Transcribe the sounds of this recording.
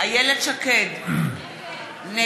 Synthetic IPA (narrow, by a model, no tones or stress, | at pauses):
ajɛled̚t͡ʃaked | ne